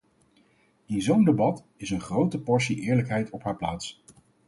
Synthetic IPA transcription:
ɪnzowndebɑt | ɪsənχrowtəpɔɹsiʔɪːɹləkɦɛjtʰɔpɦaːɹplaːts

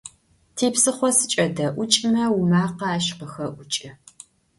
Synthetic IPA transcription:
tʰeːpsɨχʷɔsɨt͡ʃʼɐdɐʔʷʊt͡ʃʼmɐwumaːqɐaːʃqəxɐʔʷʊt͡ʃʼɐ

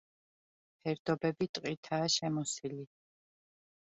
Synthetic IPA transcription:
pʰɛɾd̪ɔbɛbit̪ʼqʼit̪ʰaːʃɛmɔsili

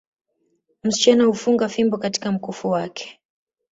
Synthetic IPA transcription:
m̩si̥t͡ʃanahufuŋɡafimbɔkati̥kam̩kufuwakʰɛ̥

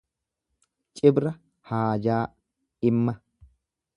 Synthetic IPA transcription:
t͡ʃʼɪbɾɐ | haːd͡ʒaː | ɪmːɐ

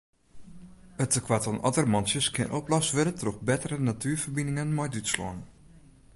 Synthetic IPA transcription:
ətəkʰwatɔnɔtərmɔnsjəskʰɪ̰ənʔoplɔsʋɪɾətroxbɛtərənatʰyːrfərbinɪŋənmɔjdytslɔ̰ən

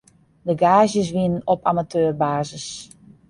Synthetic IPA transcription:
dəɡaːzjəs̬ʋinənɔpamatʰøːrbaːzəs

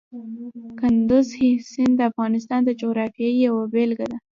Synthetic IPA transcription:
kʊnd̪ʊzhisɪnd̪əafɣɑnɪst̪ɑnd̪əd͡ʒoɣɾɑfjɑijawabelɡad̪a

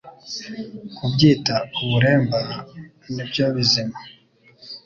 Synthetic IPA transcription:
kubɟiːtauβuɾe̞ːmba | nibɟoβizima

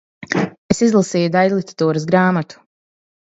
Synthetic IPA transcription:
esizlˠasiːjud̪aj̪lˠit̪e̥t̪uːɾəsɡɾaːmat̪u̥

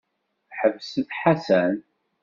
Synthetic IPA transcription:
ħəvsətħasæn

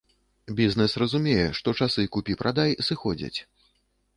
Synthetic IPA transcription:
bʲiznɛsrɐzumʲɛjɛʂt̪ɔt͡ʂasɨkupʲipɾʔad̪ajsɨxɔd͡zʲɐ̰t͡sʲ

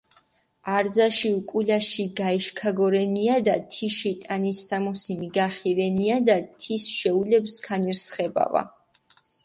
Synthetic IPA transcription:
aɾd̪zaʃiukʼulaʃiɡaiʃkʰaɡɔɾɛniad̪at̪ʰiʃit̪ʼanist̪ʰamɔsimiɡaχiɾɛniad̪at̪ʰisʃɛulɛbskʰaniɾsχɛba̰va̰

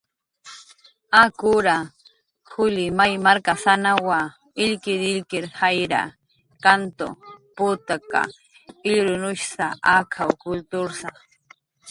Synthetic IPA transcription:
akʊɾa | xʊlɪmajmaɾkasanawa | ɪʎkɪɾɪʎkɪɾhajɾa̰ | kant̪o̰pʊt̪aka̰ | ɪʎɾʊnʊʃsaakʰawkʊlt̪ʊɾsa

